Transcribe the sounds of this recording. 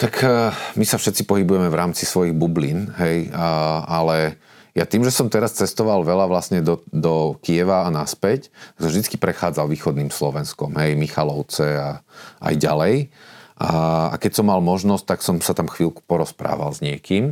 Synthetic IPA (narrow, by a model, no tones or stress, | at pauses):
t̪akmisafʃɛt̪t͡sipɔɦibujɛmɛvɾaːmt͡sisʋɔjiɣbubliːnɦɛj | alɛ | jat̪iːmʒɛsɔmt̪ɛɾast͡sɛst̪ɔʋalʋɛlaʋlasɲɛd̪ɔd̪ɔkiɛʋaːnaspɛct̪aksɔmvʒd̪it͡skipɾɛxaːd͡zalʋiːxɔd̪niːmslɔʋɛnskɔmɦɛjmixalɔʊt͡sɛaʔa̰jɟalɛjʔaa̰kɛcsɔmːalmɔʒnɔsc̚t̪aksɔmsat̪amxʋiːlku̥pɔɾɔspɾa̰ːʋa̰lzɲɪɛkiːm